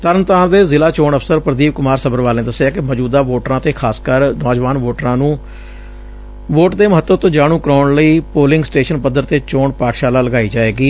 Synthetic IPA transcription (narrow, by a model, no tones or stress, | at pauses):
t̪əɾnt̪aːnd̪eːzɪlaːt͡ʃoːɳəpʰsəɾpɾəd̪iːʋkʊmaːɾsəbəɾʋaːlnẽːd̪əsːejaːkɪməd͡ʒuːd̪aːʋoːʈɾãːt̪eːkʰaːskəɾnɔːd͡ʒʋaːnʋoːʈɾãːnũː | ʋoːʈd̪eːməɦət̪ːət̪õːd͡ʒaːɽ̃ũːkəɾaːɳləiːpoːlɪŋɡsʈeːʃənpəd̪ːəɾt̪eːt͡ʃoːɳpaːʈʃaːlaːləɡaːiːd͡ʒaːeːɡiː